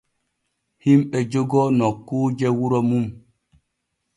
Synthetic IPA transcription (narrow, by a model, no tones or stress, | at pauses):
himɓɛd͡ʒoɡɔnɔkːud͡ʒɛwuɾɔmum